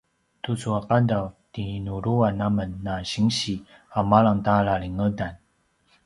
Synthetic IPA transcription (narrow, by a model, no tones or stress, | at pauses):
t̪ʰut͡sʰoaqand̪awt̪inoɾowanamənːaɕiŋɕi | hamalaŋt̪alaɾiŋəd̪an